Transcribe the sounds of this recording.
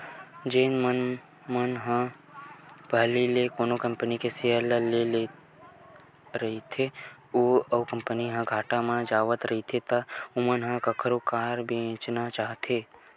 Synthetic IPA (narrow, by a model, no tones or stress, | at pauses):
d͡ʒenmən | mənɦã | pəɦlilekoːnokəmpənikesiələlele | ɾəɦit̪ʰe | oəukəmpəniɦãɡʱaːʈamãd͡ʒaːʋət̪ɾəɦit̪ʰet̪əumənɦãkəkʰəɾokaːɾbʱiẽt͡ʃnat͡ʃaːɦt̪ʰe